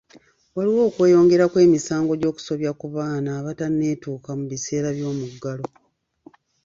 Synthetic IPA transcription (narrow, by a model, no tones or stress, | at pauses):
waliwo̞ːkwe̞ːjo̞ːŋɡe̞ɾakwe̞ːmisaːŋɡo̞ɟo̞ːku̥so̞βjakuβaːnaːβatanːe̞ːtuːkamuβise̞ːɾaβjo̞ːmuɡːalo̞